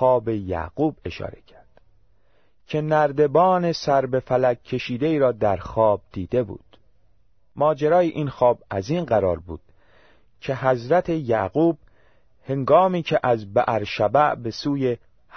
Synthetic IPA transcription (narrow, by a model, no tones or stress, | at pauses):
ɒːbe̞jæ̰ɣ̥uːbe̞ʃɒ̰ːɾe̞̰cʰæɾd̪̥ | cʰe̞næɾd̪e̞bɒːne̞sæɾbe̞fælækʰːe̞ʃiːd̪eiːɾɒːd̪æɾxɒːb̥̚d̪̥iːd̪e̞bṵːd̪̥ | mɒːd͡ʒeɾɒːjiʔinxɒːbæziːnɢæɾɒ̰ːɾbṵːd̪̥̚ | cʰe̞ɦæzɾæt̪ʰe̞jæɣuːb̥̚ | he̞ŋɡɒːmiːcʰeʔæzbæʔæɾʃæbæʔbe̞suːje̞ | h